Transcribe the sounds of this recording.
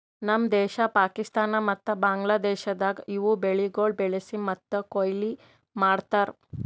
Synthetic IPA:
nəmd̪ɛɕapakist̪anamɐt̪ːəbaŋɡlad̪eɕəd̪aɡiʋubeɭiɡoɭbeɭesimːət̪ːəkojli | maɽt̪aɾ

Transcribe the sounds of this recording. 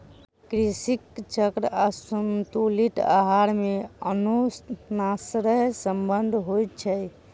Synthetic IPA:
kɾisikt͡ʃəkɾasumt̪uliʈa̰ɦaɾmeənonasɾəɦsəmbənd̪ʱɦojt̪̚t͡ʃʰɛj

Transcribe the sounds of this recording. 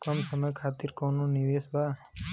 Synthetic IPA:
kəmsəməjkʰaːt̪iɾkonũniʋeːsbʱaː

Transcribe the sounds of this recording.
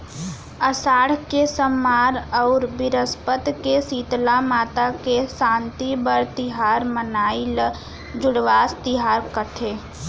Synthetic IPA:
əsaːɽ̤kesəmːaːɾɔːɾbɪɾəspət̪kesiːt̪lamaːt̪akesãːnt̪ibəɾt̪ɪɦaːɾmənaːil | d͡ʒʊɽʋaːst̪ɪɦaːɾkəʈʰeː

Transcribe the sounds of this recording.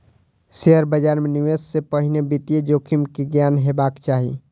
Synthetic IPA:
seɦəɾbəd͡ʒaɾmeniʋesːepəɦinebit̪ijed͡ʒokʰimkiɡjanɦebakt͡ʃaɦḭ

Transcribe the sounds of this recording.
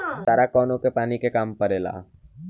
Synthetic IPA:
saːɾakɔːnõkepaːnikekaːmpəɾeːla̰ː

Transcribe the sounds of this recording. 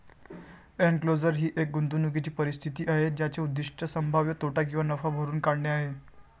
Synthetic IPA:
enklod͡zəɾɦiːʔek̚ɡunt̪unukit͡ɕiːpəɾist̪ʰit̪iːʔaɦed͡ʑjat͡ɕeud̪ːiʂʈʰəsəmbʱaʋjət̪oʈak̬ĩw̃ʋanəfabʱəɾuːnkaɽɳeaɦe

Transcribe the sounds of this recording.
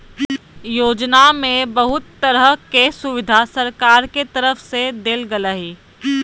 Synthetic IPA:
joːd͡ʒnamẽbɐɦʊt̪ːəɾəkesʊʋɪd̪ʱasɐɾkaːɾket̪əɾəfsed̪eːlɡələɦiː

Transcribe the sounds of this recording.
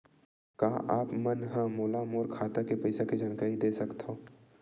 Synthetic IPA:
kaːʔaːpmɐnɦə̃moːlamoːɾkʰaːt̪akepɐɪsaked͡ʒaːnkəɾid̪eːsɐkt̪ɦõː

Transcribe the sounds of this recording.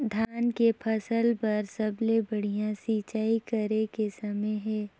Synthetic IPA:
d̪ʱaːnkepʰɐsəlpɐɾsɐblebɐɽ̤ijãsiːt͡ʃaːikəɾekesɐməjɦɛː

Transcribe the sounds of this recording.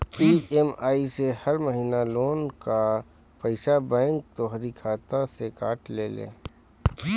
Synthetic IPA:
iːemaːisehɐɾməɦiːnaloːnka | pɐɪʃabɛ̃ːŋk̚t̪oːɦɾikʰaːt̪asekaːʈlḛːlḛ̃ː

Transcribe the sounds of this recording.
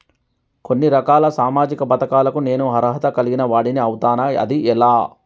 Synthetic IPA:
ko̞nːiɾɐkaːlɐsaːmaːd͡ʒikɐpɐt̪ɐkaːlɐkune̞ːnuɦɐɾɐɦɐt̪ɐkɐliɡinɐʋaːɽiniɐwut̪aːnɐɐ̰d̪iʔɛlaː

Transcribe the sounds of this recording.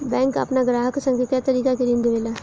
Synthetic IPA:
bɛ̃ːŋkə̰pnaɡɾaːɦəksə̃ŋɡekɛːt̪əɾiːkakeɾɪ̃nd̪ʋeːlaː

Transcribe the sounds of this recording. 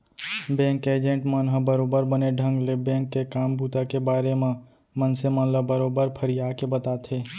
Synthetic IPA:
bɛ̃ːŋkeːd͡ʒə̃ɳʈmənɦə̃bəɾoːbəɾbəneɖʱə̃ŋɡlebɛ̃ːŋkːekaːmbʱuːt̪akebaːɾemẽ | mənsemə̃nləbəɾoːbəɾpʰəɾijaːkebət̪aːt̪ʰeː

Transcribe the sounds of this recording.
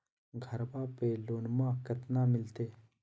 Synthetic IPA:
ɡʱɐɾbaːpeloːnmãːkɐt̪namɪlt̪eː

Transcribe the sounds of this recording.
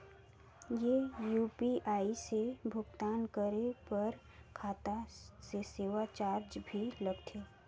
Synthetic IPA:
jejuːpiʔaːisebʱʊɡt̪aːnkəɾepəɾ | kʰaːt̪aseseːʋat͡ʃaːɾd͡ʒbʱiləɡt̪ʰeː

